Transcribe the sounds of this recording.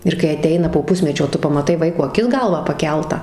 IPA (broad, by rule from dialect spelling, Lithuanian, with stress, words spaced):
ɪr kɐɪ ɐˈtʲɛɪnɐ poː ˈpʊsʲmʲɛt͡ʃʲoː ˈtʊ pɐmɐˈtɐɪ ˈʋɐɪkoː ɐˈkʲɪs ˈɡɐlˠʋɑː pɐˈkʲɛlˠtɑː